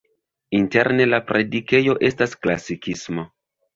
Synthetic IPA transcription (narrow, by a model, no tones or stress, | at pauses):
inte̞ɾne̞lapɾe̞dike̞jo̞ʔe̞staskla̰sikismo̞